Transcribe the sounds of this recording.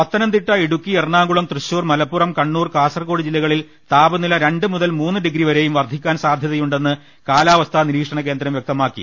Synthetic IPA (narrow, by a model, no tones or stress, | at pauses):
ʋɐt̪ːɐnɐmt̪iʈːɐiɽukːierɳaːŋɡuɭɐmt̪rɨɕuːrmɐlɐpːurɐmkɐɳːuːrkaːsɐrko̞ːɽid͡ʑilːɐɣɐɭil | t̪aːbɐnilɐɾe̞ɳɖɨmuðɐlmuːnːɨɖiɡɾiʋɐɾe̞jumʋɐrd̪ʱikʲːaːnsaːd̪ʱjɐðɐjuɳɖe̞nːɨ | kaːlaːʋɐst̪ʰɐniɾiːkʂɐɳɐk̬e̞ːnd̪ɾɐmʋjɐk̚t̪ɐmaːkːḭ